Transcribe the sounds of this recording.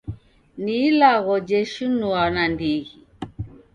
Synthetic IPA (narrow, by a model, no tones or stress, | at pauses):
nilaɣɔd͡ʒɛʃunuanandiɣi